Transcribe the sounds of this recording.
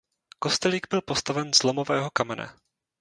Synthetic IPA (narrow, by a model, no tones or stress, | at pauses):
ko̞st̪ɛliɡbɪlpost̪avɛnzlomo̞vɛːɦo̞kamɛna̰